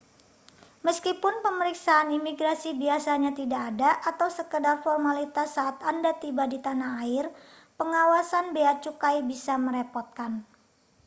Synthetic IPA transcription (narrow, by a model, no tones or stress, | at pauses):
məskipʊnpəməɾiksaːnimiɡɾasibiasaɲat̪idaːdaʔat̪awsəkədarfɔrmalit̪asːaːt̪andat̪ibadit̪anaɦaɪr | pəŋawasanbeat͡ʃukajbisaməɾepɔrt̪̚kan